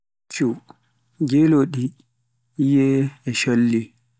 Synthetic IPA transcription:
t͡ʃu | d͡ʒeloɗi | ijɛɛʃolːi

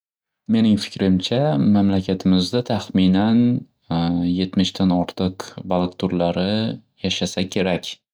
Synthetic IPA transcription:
me̞nɪŋfɪ̥kʲɾɪmt͡ʃʰamamlakʲʰat̪ʰɪmɪzd̪at̪ʰaχmɪnan | je̞t̪mɪʃd̪anɒɾt̪ʰɨqbalˠkt̪ʰʊɾlaɾɪjaʃasakʲʰe̞ɾakʲ

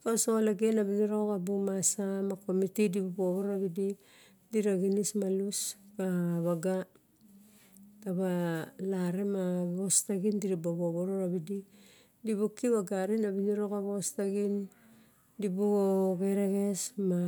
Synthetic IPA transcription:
kasoolaɡenabiniɾokabumasamako̞mitidibuboβoɾaβidi | diɾaɡinismaluskaβaɡa | taβalaɾemaβostaɡindiɾiboβoβoɾoɾaβidi | diβukiβaɡaɾinaβiniɾo̞kaβostaɡin | dibuɡoɡeɾeɣe̞sma

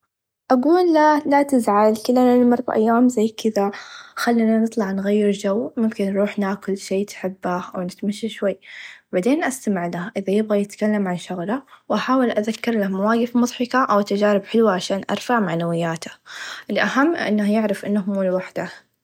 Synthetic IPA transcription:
ʔaɡuːlːalat̪ɪzʕalkɪlːanɪlmɑɾˤːɑ̰ʔa̰jːaːmzajːkɪðaxalːinanɨt̪ˤlɑʕnɣajːɪɾd͡ʒawmʊmkɪnːɾˤuːħnaːkʊlʃiːt̪ħɪbːaʔawnɪt̪maʃːaʃwajːbaʕd̪eːnʔast̪amɪʕlahʔɪðajɪbɣajɪt̪kalːamʕanʃʊɣlawʔaħaːwɪlʔaðakːɪɾˤlamawaːɡɪfmʊðˤħɑkaʔawt̪ːad͡ʒaːɾɪbħɪlwaʕaʃaːnʔɑ̰ɾˤfaʕmaʕnawɪjːaːt̪ḁʔɪlʔaɦamːʔʔɪ̰nːahjɪʕɾɪfʔɪnːahmuːlwaħd̪a

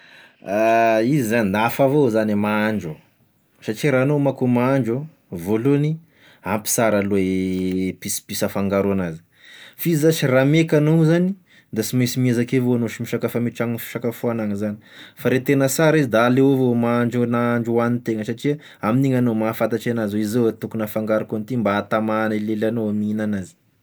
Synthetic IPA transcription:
aizizaninafavozanimaaɳd͡ʒu | saʈ͡ʂiɾanomakumaaɳd͡ʒo | voluni | ampi̥saɾale | pispisəfaŋɡaɾoanazi̥ | fizasiramekanozani | d̪asimisimiezakevoanoʃimiʃakafamiʈ͡ʂaŋfi̥ʃakafoanaŋəzani̥faɾet̪enəsaɾizid̪aːleovomaɳd͡ʒonaɳd͡ʒuanint̪eŋəsaʈ͡ʂia | aminiŋanomafat̪aʈ͡ʂanazoizoet̪ukunafaŋɡaɾukont̪imbaːt̪amanilelanoaminanazi̥

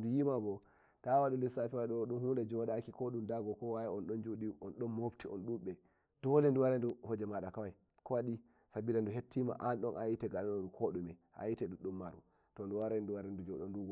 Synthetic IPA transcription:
dujimabɔ | tawaɗulisafiwaɗɔɗumhundɛd͡ʒɔɗakikoɗumdaɡɔkɔwajaɔnɗɔnd͡ʒuɗiɔnɗɔnmobtiɔ̰nɗuɓɛ | d̥ɔlɛnduwaɾɛnduhɔd͡ʒɛmaɗakawaj | kɔwaɗi | sabilanduɦetːima̰ʔanɗɔnʔajitɛɡalanɔɗukʰoɗumɛʔa̰jitɛɗuɗumːaɾṵ | tɔnduwaɾɛnduwaɾɛndud͡ʒɔɗɔnduɡ

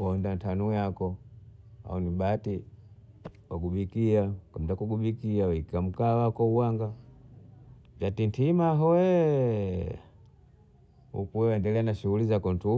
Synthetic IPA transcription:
ɔndantanujakɔ | a̰ɔnibati | waɡuɓikiakamtakuɡubikiawikam̩kawakɔuwaŋɡa | d͡ʒatintimaɦɔwɛ | hṵkuwɛwɛndɛlɛanaʃuɣulizakɔntu

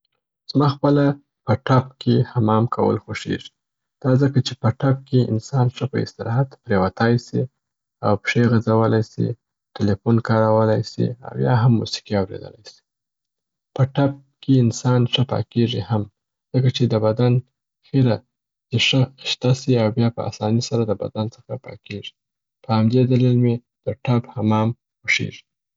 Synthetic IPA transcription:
z̥mɑxpəla | pəʈap̚kʰehamɑmkʰawə̰lxoʂḛʐi̥ | d̪̥ɑzəkat͡ʃepəʈap̚keɪ̰nsɑnʂəpəɪ̰st̪ɪɾɑɦat̪pɾewat̪ɑjsi | awpʂeɣazawəlajsḭ | ʈɪlefunkɑɾawəlajsḭa̰wjɑ̰ɦamːṵsi̥qiawɾḛd̪ə̰la̰jsi̥ | pəʈap̚keɪnsɑnʂəpɑ̰keʐiham | z̥əkat͡ʃed̪əbad̪an | xeɾa | d̪əʂəʃt̪asiawbjɑpəa̰sɑnisaɾad̪əba̰d̪ant͡sə̥xapɑ̰keʐi̥ | pəhamd̪ed̪alilme | d̪̥əʈaphamɑm | pəʂḛʐi̥

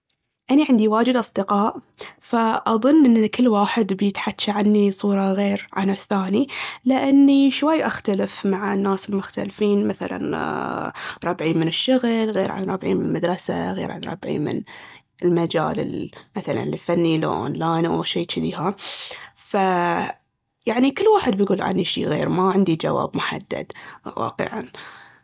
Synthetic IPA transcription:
ʔaniʕɪnd̪iwaːd͡ʒɪd̪ʔɑsˤd̪ɪqɑːʔ | faʔɑðˤʊnːʔɪnːkɪlːwaːħɪd̪bjɪt̪ħatːʃaʕanːisˤuːɾˤɑɣeːɾʕa̰nɪθːaːnilɪʔanːiʃwajːʔaxt̪alɪfmaʕanːaːsɪlmʊxt̪alfiːnmaθa̰la̰n | ɾˤɑbʕiːnmɪnɪʃːʊɣlɣeːɾʕa̰nɾˤɑbʕḭːnmɪnlmad̪ɾˤɑsa̰ɣḛːɾʕa̰nɾˤɑ̰bʕḭmɪ̰n | ɪlmad͡ʒa̰ːlɪ̰lmaθala̰nlilfanːil̰ʔo̰ːnlaːjnaʃiːt͡ʃɪd̪iːɦa | fa | jaʕnikɪlːwaːħɪd̪̚bɪjɡuːlʕa̰niʃḭːɣeːɾmaʕɪnd̪id͡ʒawa̰ːbmʊħa̰d̪ːa̰d̪wa̰ːqɨ̰ʕa̰n

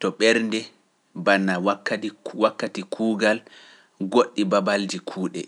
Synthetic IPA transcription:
tɔɓɛɾndɛ | banːawakːawakːatikʰuːɡal | ɡoɗːibabaldikʰuːɗɛ

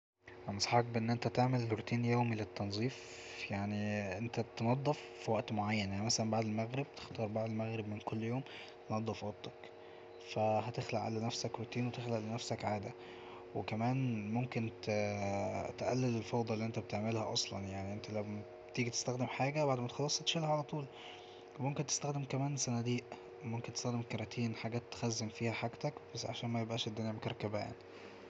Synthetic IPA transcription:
ʔænɑsˤħɑk̚beʔenːʔent̪æt̪eʕmelkɾot̪iːnjoːmilet̪ːɑnzˤiːf | jaʕniʔent̪æt̪enɑd̪ˤːefːiwæʔt̪moʕajːænʔænæmæsælæmbaʕd̪elmæɣɾeb̚t̪e̥xt̪ɑːɾˤbaʕd̪elmæɣɾebmenkolːjoːm | t̪enɑd̪ˤːefwæʔt̪ɑk | fæɦæt̪exlæʔʕa̰lænæfsækɾot̪iːnwet̪exlæʔlenæfsækʕaːd̪æ | wekæmæːnmomkent̪ | t̪ʔælːelelfɑwd̪ˤɑlːiʔent̪æbet̪eʕmelhæ̰ʔɑsˤlɑ̰njaʕniʔent̪ælæw | t̪iːɡit̪e̥st̪æxd̪emħaːɡæbaʕd̪emæt̪xɑlːɑsˤhæt̪ʃelhæʕalæt̪ˤuːl | momkent̪e̥st̪æxd̪emkæmæːnsænæd̪iːʔ | momkent̪e̥st̪æxd̪emkɑɾˤɑt̪ʰiːnħaɡæːt̪ːxæzːemfiːhæħaɡt̪ækb̥æsːʕaʃæːnmæjebʔæːʃed̪ːenæːmkɑɾˤkæbæ̰ːʔæ̰n

